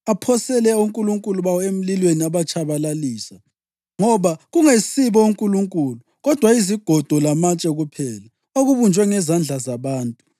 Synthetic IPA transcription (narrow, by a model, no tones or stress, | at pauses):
apʰɔsɛlɛuŋkʼuluŋkʼuluβawɔem̩lilweniaβat͡ʃʰʼaβalaliːsa | ŋɔβaɣuŋesiβɔuŋkʼuluŋkʼulu | ɣɔd̥ʱwaiziɡ̥ʱɔd̥ʱɔlamat͡ʃʼɛɣupʰɛːla | oɣuβund͡ʒʱwɛŋɛzand͡ɮʱazaβaːntʼu